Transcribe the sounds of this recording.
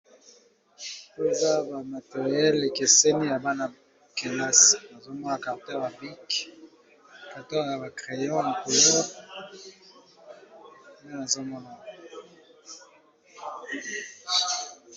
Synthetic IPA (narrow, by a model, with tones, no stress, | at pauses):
e˦˨za˦ba˨ma˨te˨ʁi˨ɛ˦le˨ke˨se˦ni˦ja˨ba˦na˨ | ke˨la˦sna˨zo˦mɔ˦na˨ka˨ʁtɛ˦ʁa˨bi˦k | ka˨tɔ˦˨ja˨ba˨kʁe˨jɔ̃˦na˨ko˨lɔ˦ʁ | je˦na˨zo˦mɔ˦na˨